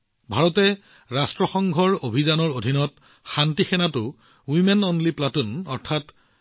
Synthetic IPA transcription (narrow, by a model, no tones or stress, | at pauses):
bʱaɹɔtɛ | ɹastɹɔxɔŋɡʱɔɹobʱizanɔɹodʱinɔt | xantixɛnatʊ | wimɛnɔnliplatunɔɹtʰat